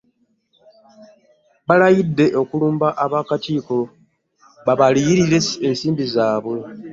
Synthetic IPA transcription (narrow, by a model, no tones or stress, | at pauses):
βalajidːe̞ʔo̞kuluːmbaʔaβakatiːko̞ | βaβalijiɾiɾe̞sensiːmbizaːβwe̞